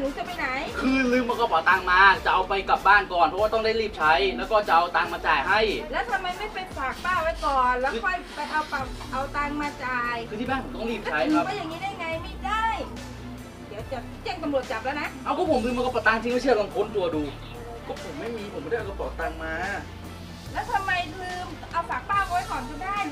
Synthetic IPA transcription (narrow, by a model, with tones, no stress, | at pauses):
nuː˨˦˥t͡ɕa˧ma˥˩jna˨˩˦jkʰɯː˧lɯː˧maː˧˩kɔː˧˩pɔː˨˩t̪aː˧ŋmaː˧t͡ɕa˨˩ʔa˧wpa˧jka˨˩p̚baː˥˩nkɔː˨˩npʰɔ˦˥waː˥t̪ɔ˥˩ŋdaː˥˩jliː˥˩p̚t͡ɕʰa˦˥jlɛː˦˥wkɔː˥˩t͡ɕa˨˩ʔa˧wt̪aː˧ŋmaː˧t͡ɕaː˨˩jɦa˥˩jlɛː˦˥wt̪ʰa˧mːa˧jma˥˩jpa˧jfaː˨˩k̚paː˥˩wa˦˥jkɔː˨˩nlɛ˦˥˧kʰɔː˧˥˩jpa˧jʔa˧wpa˨˩p̚ʔa˧wt̪aː˧ŋmaː˧t͡ɕaː˨˩jkʰɯː˧t̪ʰiː˥˩baː˥˩nʰpo˨˦t̪ɔ˥˩ŋliː˥˩p̚t͡ɕʰa˦˥jkʰɾa˦˥a˧˨ja˨˩ŋːiː˦˥daː˥˩jŋa˧jma˥˩jdaː˥˩j | di˨˦wt͡ɕa˨˩˥t͡ɕe˧ŋt̪a˧mɾu˨˩ət̪̚t͡ɕaː˨˩p̚lɛː˦˥wna˦˥ʔa˧˩wkʰɔː˧˥˩pʰo˨˦mkʰɯː˧ma˧kɔ˧˩pɔ˨˩t̪aː˧ŋt͡ɕ̪ʰi˧ŋma˥˩jt͡ɕʰɯ˥˩baː˧˩kʰo˧˥nt̪u˧ɐduː˧ | kɔː˥˩pʰo˩˦mːa˥˩jmiː˧pʰo˨˩˦ma˥˩˥o˧˩pɔː˨˩t̪aː˧ŋmaː˧ | lɛː˦˥wt̪ʰa˧mːa˧jkʰɯː˧ʔa˧wfaː˨˩k̚paː˥˩wka˧˦ma˥˩jkʰɔː˨˩˦nkʰɯ˧˩daː˥˩j